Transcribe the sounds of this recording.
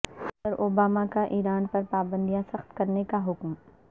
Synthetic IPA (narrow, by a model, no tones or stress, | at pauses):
sɐd̪əɾʔoːbaːmakaʔiːɾaːnpɐɾpaːbə̃nd̪ijasɐxt̪kɐɾnekaɦʊkm